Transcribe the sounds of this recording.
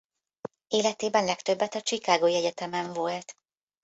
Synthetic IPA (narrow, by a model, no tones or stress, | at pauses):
eːlɛt̪eːbɛnlɛkt̪ø̞bːɛt̪ɒt͡ʃikaːɡoːiɛɟɛt̪ɛmɛɱvolt̪